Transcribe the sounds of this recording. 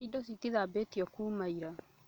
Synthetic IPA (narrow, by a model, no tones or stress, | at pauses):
idɔsitiðabetijɔkuːmaiɾa